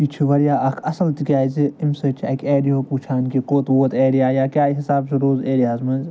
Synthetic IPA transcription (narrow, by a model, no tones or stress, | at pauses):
it͡ʃʰiʋɐɾijaːʔɐkʰɐsɐlt̪ikʲaːziimsəːt͡ʃʰɐkʲʰeːɾijoːpuːt͡ʃʰaːnkikoːt̪ʋoːt̪eːɾijaːjaːkʲjaːɦisaːbsɨɾoːzeːɾijaːzmɐnz